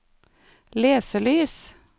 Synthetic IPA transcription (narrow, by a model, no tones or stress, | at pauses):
leːsəlyːs